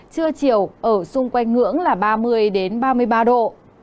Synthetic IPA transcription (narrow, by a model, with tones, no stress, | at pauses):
t͡ɕɨ˧ət͡ɕi˧˩əwʔəː˧˩sʊ˧ŋ͡mkwa˧jŋ̟ŋɨ̰˧˥əŋlaː˨˩ɓaː˧mɨ˧əjɗe˨˦nɓaː˧mɨ˧əjɓaː˧ɗo̰˧˨